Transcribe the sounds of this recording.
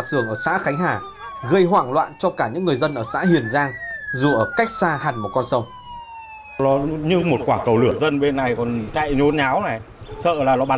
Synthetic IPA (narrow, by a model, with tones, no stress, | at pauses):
sɨ˧˩əŋʔəː˧˩sa̰ː˧˥xa˨˦jŋ̟ɦaː˧˩ | ɣə˧jɦwaː˧˩ŋlwa̰ː˧˨nt͡ɕɔ˧kaː˧˩ɲɨ̰˧˥ŋːɨ˨˩əjzə˧nʔəː˧˩sa̰ː˧˥hi˨˩ənzaː˧ŋzu˨˩ʔəː˧˩ka˦˥jk̚saː˧ha˨˩ŋ̟m̚˨˩kɔ˧nsə˧wŋ͡m | lɔ˨˦ɲɨ˧mo˨˩t̚kwaː˧˩kə˨˩wlɨ˧˩əzə˧nɓe˧nːa˨˩jkɔ˨˩nt͡ɕa̰˧˨jɲo˨˦nɲaː˨˦wnɛ˨˩ | sə̰ː˧˨laː˨˩lɔ˨˦ɓa˨˦